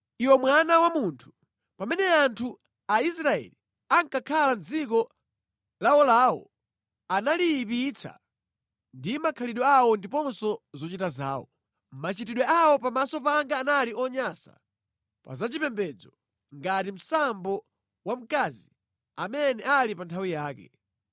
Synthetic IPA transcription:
iwɔmwanawamuntʰu̥ | pamɛnɛantʰu | aisɾaɛ̰li | aŋkakʰaland͡zik̬ɔ | laɔlaːwɔ̰ | analipit͡sʰa̰ | ndimakʰaliɗɔawɔndipɔnsɔzɔt͡ʃitazaːwɔ | mat͡ʃitiɗwɛawɔpamasɔpaŋɡaːnaliɔɲasa̰ | pa̰zat͡ʃipɛmbɛd͡zɔ | ŋɡatim̩sambɔ | wam̩kaːzi | amɛnɛalipantʰawijaːkɛ̰

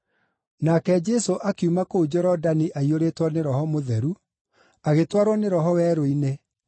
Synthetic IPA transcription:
nakɛd͡ʑɛsoʔakeumakoud͡ʒɔɾɔdaniʔaioɾetwɔneɾɔhɔmoðɛɾu | aɣetwaɾwɔneɾɔɦɔwɛːɾoine

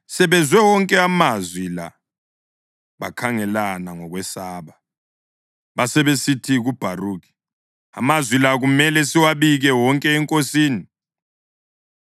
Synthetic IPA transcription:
sɛβɛzwɛwɔŋkʼɛamazwila̰ | βa̰kʰaŋɛlanaŋɔɣwɛsaːβa | βasɛβesitʰiɣub̥ʱaruːɣi̥ | a̰mazwilaɣumɛlɛsiwaβiɣɛwɔŋkʼɛːŋkʼosiːni

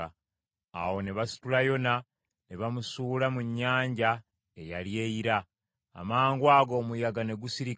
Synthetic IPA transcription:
a̰wo̞neβasi̥tulajo̞na | neβamusuːlamuɲːaːɲɟa | ejalje̞iɾa̰ː | maːŋɡwaːɡo̞ːmujaɡane̞ɡusiɾi

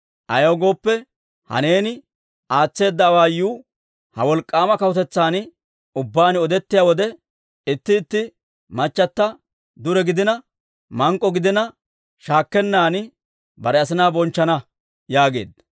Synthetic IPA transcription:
ʔɐjɐwɡo̞ːpːɛ | hɐ̰ne̞ːnɪ | ʔaːt͡sːe̞ːd̪ːɐːwaːjːuː | hɐ̰wɔlkʼːaːmɐkɐʊt̪ɛt͡sːaːn | ʊbːaːnɪɔd̪ɛt̪ːɪjaːwɔd̪ɛ | ɪt̪ːɪːt̪ːɪ | mɐt͡ʃːɐt̪ːɐ | d̪ʊɾɛɡɪd̪ɪnɐ | mɐŋkʼːɔɡɪd̪ɪnɐ | ʃaːkːɛnːaːn | bɐɾɛɐs̬ɪnaːbɔnt͡ʃːɐnɐ | jaːɡe̞̰ːd̪ɐ

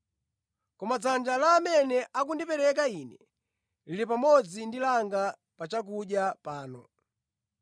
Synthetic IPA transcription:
kɔmat͡sand͡ʒalaːmɛnɛʔak̬undipɛɾɛk̬ainɛ | liɾipamɔd͡zindilaŋɡa | pat͡ʃak̬uɗjapaːnɔ

